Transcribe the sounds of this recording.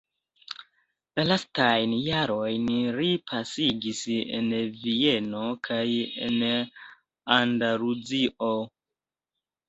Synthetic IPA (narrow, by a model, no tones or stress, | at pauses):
lastajnjaɾo̞jnɾipʰasiɡisḛnvieno̞kʰajḛn | andalud͡ziʔo